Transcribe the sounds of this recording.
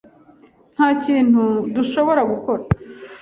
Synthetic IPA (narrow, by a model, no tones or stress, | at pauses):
n̥haːciːnhuduʃo̞βo̞ɾaɡuko̞ɾa